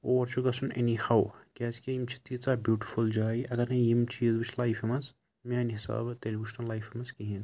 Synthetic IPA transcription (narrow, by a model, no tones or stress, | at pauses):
oːʋɐɾt͡ʃʰuɡɐsunḛnihawkʲaːzkʲeimt͡ʃʰi̥t̪it͡saːbjuːʈi̥fuld͡ʒaːjʔɐɡɐɾnɐjimt͡ʃʰiːzbit͡ʃʰlajfimɐs | manɦisa̰ːbt̪elʲbut͡ʃnɐnlajfimɐskiɦin